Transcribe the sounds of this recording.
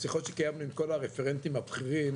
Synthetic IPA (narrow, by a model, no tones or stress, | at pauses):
siχot̪ʃekajamnuimko̞laʁefeʁent̪imabχiʁim